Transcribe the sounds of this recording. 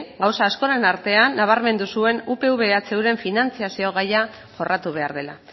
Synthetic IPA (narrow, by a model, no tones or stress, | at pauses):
ɡawsaːsko̞ɾe̞naɾt̪e̞anːaβ̞aɾme̞nd̪usue̞nupe̞uβe̞at͡se̞wɾe̞ɱfinant͡siasio̞ɣ̞aja | ʝo̞rat̪uβ̞e̞a̰ɾð̞e̞la